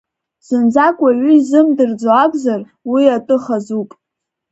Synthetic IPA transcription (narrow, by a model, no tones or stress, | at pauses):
z̥ɨnd͡zakʷʼaɥʷʏizɨmdɨrd͡zoakʷʼzar | wiatʼɨχazupʼ